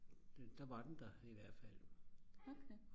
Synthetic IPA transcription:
d̥æʋɑ̈d̥end̥ɑiʋæɐ̰d̥fæl̰okʰe

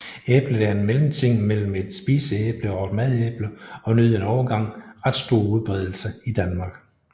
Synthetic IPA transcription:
eːb̥lə̥æɐenmelm̩t͡sʰe̝ŋ̰mel̰m̩e̝d̥sb̥iːsəeːb̥ləɒd̥mæð̞ˠeːb̥ləɒ̽nyð̰ˠenɒʊɐɡ̥ɑ̈ŋ̰ʁɑ̈d̥sd̥o̝ːɐuð̞ˠb̥ʁɛð̞ˠl̩səid̥ænmɑ̈ɡ̥

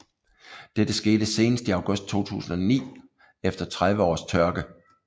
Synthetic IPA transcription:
d̥ed̥əsɡ̥e̝ːd̥əse̝ːnəsd̥əiɑ̈ʊɡ̥ɔ̽sd̥̚t͡sʰo̝̰ːt͡sʰṵːsn̩ɒnḭː | efd̥ɐt͡sʰʁaðʋəɒ̰ːst͡sʰɶɐɡ̥ə

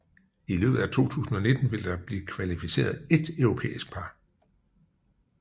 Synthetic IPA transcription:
ilø̰ːb̥ð̩ˠæt͡sʰo̝̰ːt͡sʰṵːsn̩ɒ̽ne̝d̥n̩ʋe̝ld̥ɑ̈b̥liːkʰʋælifise̝̰ːɐðˠe̝d̥œʊʁo̝pʰḛːisɡ̥̚pʰɑ̈

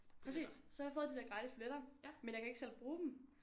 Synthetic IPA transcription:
pʰʁɛsḭːssɒjafoːðˠd̥id̥æɐɡ̥ʁɑ̈ːɾ̥isb̥uleɾ̥ɐmenjɑkʰæe̝ɡ̥əsel̰b̥ʁṵːd̥m̩

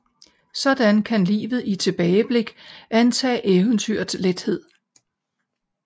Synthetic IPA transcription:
sɒ̽d̥ænkʰænlḭːʋð̞̩ˠit͡sʰe̝b̥ɛːɪəb̥le̝ɡ̥ʔænt͡sʰɛ̰ːʔeːʊənt͡sʰyɐ̰d̥sled̥he̝ð̞̰ˠ

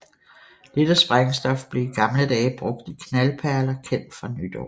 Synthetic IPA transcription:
d̥ed̥əsb̥ʁaŋsd̥ɒ̽fb̥le̝iɡ̥ɑ̈mləd̥ɛːɪəb̥ʁɔ̽ɡ̥̚d̥ikʰnælpʰæɐlɐkʰen̰d̥fʁɑ̈nyd̥ɒ̰

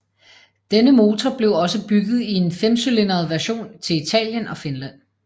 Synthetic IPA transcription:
d̥enəmo̝ːt͡sʰɒb̥le̝ʊɒ̽səb̥yɡ̥ð̞̩ˠie̝nfemsyle̝nɐð̩ˠʋæɐɕo̝̰ːnt͡sʰe̝lit͡sʰɛ̰ːljənɒ̽fe̝nlæn̰

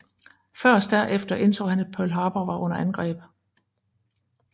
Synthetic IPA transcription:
fɶɐ̰sd̥æɐ̰ʔefd̥ɐʔe̝nt͡sʰo̰ːhænæd̥̚pʰølɦɑ̈ːb̥ɐʋɑ̈ʔɔ̽n̰ɐʔænɡ̥ʁɛ̰ːb̥

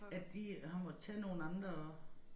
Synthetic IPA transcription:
ædd̥ihɑ̈mɒd̥t͡sʰɛːno̝ːn̩ɑ̈nd̥ʁɐ

